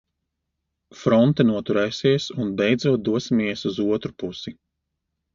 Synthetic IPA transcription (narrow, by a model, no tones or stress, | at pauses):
fɾɔnt̪anuɔt̪uɾɛːsiɛsunbɛjd̪zuːt̪̚d̪uɔsimiɛsuzuɔt̪ɾupusi